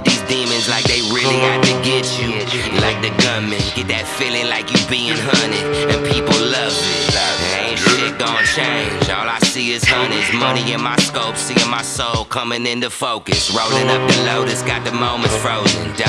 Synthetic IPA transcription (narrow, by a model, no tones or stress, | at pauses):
ðizdĩmɨ̃nzlaɪk̚ðeɪɹɪlˠihɨd̚tʰɨɡɛt͡ʃɨ | laɪk̚ðɨɡʌ̃nmɨ̃nɡ̥ɛt̪̚ðɨtfilˠɪ̃ŋlaɪkjɨbiɪ̃ŋɦʌnɪdɨ̃npʰipl̩ˠlʌvðɪẽɪ̃ʃɪk̚dn̩t͡ʃʰẽɪ̃nd͡ʒɔlˠaɪsiɪz̥hʌnɪzmʌniɨ̃nmaɪskoʊpsiɪ̃nmaɪsoʊlˠkʰʌ̃mɪ̃ŋɪ̃nðɨfoʊkɨsɹoʊlˠɪ̃ŋʌp̚ðɨloʊɾɨsɡ̥ɑt̪̚ðɨmõʊ̃mɨ̃nsfɹoʊzɨ̰̃nd